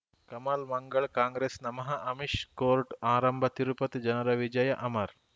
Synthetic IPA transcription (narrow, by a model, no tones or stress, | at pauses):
kɐmaːlmɐŋɡəɭkãːŋɡɾeːsnɐmɐɦɐʔɐmiʃkoːɾʈaːɾɐmbʱɐt̪iɾupɐt̪d͡ʒɐnɐɾɐʋid͡ʒɐjɐʔɐmɐɾ